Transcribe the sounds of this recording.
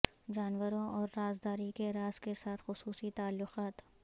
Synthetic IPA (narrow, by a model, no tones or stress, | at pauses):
d͡ʒaːnwəɾõʔɔːɾːaːzd̪aːɾikeɾaːzkesaːt̪ʰxʊsuːsit̪aːlːʊqaːt̪